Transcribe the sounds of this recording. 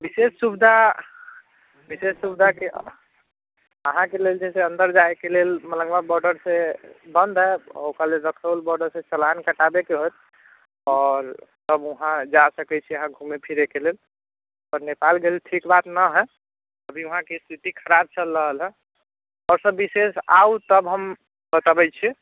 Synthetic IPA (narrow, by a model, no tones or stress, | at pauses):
bisessubd̪ʱa | bisesːubd̪ʱake | əɦãkeleld͡ʒɛseə̃nd̪əɾd͡ʒaekelelmələ̃ŋɡmabɔɾɖəɾsebə̃nd̪ʱɦɛɔ̰okalelɾəkʰəlbɔɾɖəɾsẽt͡ʃəlankəʈabekeɦot̪ | ɔːɾsəbuɦãd͡ʒasəkɛt͡ʃʰiəɦãɡʱumepʰiɾekelel | əɾnepalɡelelʈʰikbat̪nəɦɛ | əbʱiuɦãkest̪ʰit̪ikʰəɾab̚t͡ʃəlɾəɦəlɦɛ̃ | ɔɾsəbːisesa̰ut̪əbɦəm | bət̪abɛt͡ʃʰi